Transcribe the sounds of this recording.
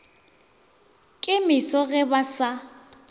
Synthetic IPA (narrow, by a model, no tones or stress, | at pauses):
kʼɪmɪsɔɣɛbasa